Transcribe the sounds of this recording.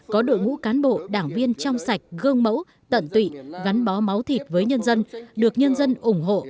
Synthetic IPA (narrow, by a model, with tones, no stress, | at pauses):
kɔ˨˦ɗo̰˧˨jŋṵ˧˥kaː˨˦nɓo̰˧˨ɗaː˧˩ŋvi˧ənt͡ɕɔ˧wŋ͡msa˨˩jk̟̚ɣəː˧ŋ͡mmə̰˧˥w | t̪ə̰˧˨nt̪wḭ˧˨ɣa˨˦nɓɔ˨˦ma˨˦wt̪ʰi˨˩t̚vəː˨˦jɲə˧nzə˧nɗɨ˨˩ək̚ɲə˧nzə˧nʔʊ˧˩ŋ͡mɦo̰˧˨